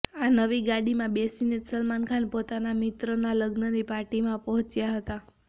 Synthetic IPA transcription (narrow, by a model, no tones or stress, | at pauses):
anəʋiɡaɽimãbesinesəlmankʰanpot̪anamit̪ɾənaləɡnənipaʈimãpəɦɔ̃t͡ʃjaɦət̪a